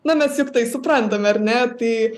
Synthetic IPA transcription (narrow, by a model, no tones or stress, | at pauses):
nɐmʲɛsjʊkt̪ɐɪsʊprɐnt̪ɐmʲɐrʲnʲɛt̪ɐɪ